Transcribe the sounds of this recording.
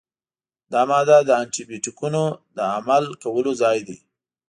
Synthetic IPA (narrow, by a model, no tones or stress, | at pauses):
d̪ɑmɑd̪ad̪əanʈibjoʈikunod̪əamalkawəlozɑjd̪i